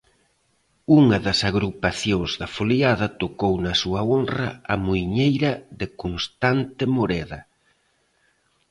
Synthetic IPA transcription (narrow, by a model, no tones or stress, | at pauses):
uŋɐðɐsaɣɾupaθjõŋzðɐfoliaðɐt̪okownɐsuɐonrɐ̰ɐmuiɲejɾɐðɪkonst̪ant̪ɪmoɾɛðɐ